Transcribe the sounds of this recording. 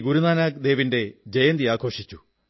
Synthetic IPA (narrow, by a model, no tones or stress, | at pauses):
ɡuɾunaːnaːk̚d̪e̞ːʋinde̞d͡ʑejɐnd̪iaːkʰo̞ːʂit͡ɕːu